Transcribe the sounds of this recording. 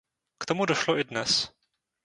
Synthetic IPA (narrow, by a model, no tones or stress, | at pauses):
kt̪omudoʃloʔɪdnɛs